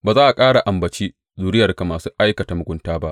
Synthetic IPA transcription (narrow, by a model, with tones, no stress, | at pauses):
baː˨zaː˦ʔa˨kʼaː˦ɽa˨ʔa˨mbɐ˨t͡ʃiː˦ | zuː˨ɽɪ˦jɐ˨rka˨maː˨suː˦ʔa˦jkɐ˨ta˨mʊ˨ɡʷʊ˦ntaː˦ba˦ʔ